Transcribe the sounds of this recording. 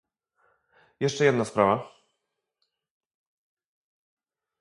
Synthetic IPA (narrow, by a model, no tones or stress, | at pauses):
jɛʂt͡ʂɛjɛd̪naspɾava